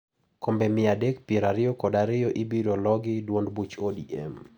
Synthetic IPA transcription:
kombemɪadekpjeɾaɾɪjɔkɔdaɾɪjɔʔɪbiɾolɔɡɪdwondbut͡ʃodiʔɛ̰m

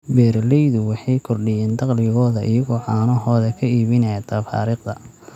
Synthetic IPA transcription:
bɛːɾlɛjðʊwɑħɑjkʰɔrɖɪjɛːnd̪ɑqlɪɣɔːðɐʔɪjɐɣɔːʕɑːnɔɦɔːðɐkʰɐiːβɪnɛjɐt̪ʰɐfa̰ːɾiːqd̪ɐ

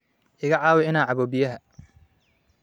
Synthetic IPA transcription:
ʔɪɣɐʕɑːwɛɪnaːʕɑβɔːbɪjɐɦɐ

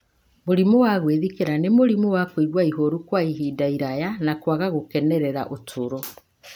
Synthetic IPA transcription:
moɾimowaɣweðikeɾanemoɾimowakwiɣwaiɦoɾukwaiɦidaiɾajanakwaɣaɣokɛnɛɾɛɾa̰ʔotʰoɾo

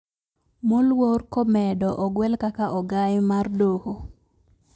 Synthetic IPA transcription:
molworkɔmɛdɔʔɔɡwɛlkakaʔɔɡajmardoho

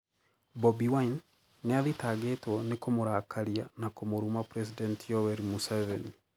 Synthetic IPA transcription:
bɔbiwain | neaðitaːɡetwɔnekomoɾaːkʰaɾianakomoɾumapɾɛsidɛntijɔwɛɾimusɛvɛni

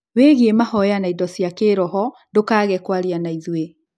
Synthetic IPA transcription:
weɣiemahɔjanaidɔsjakeɾɔɦɔ | ndokaːɣɛkwaɾjanaiðwe

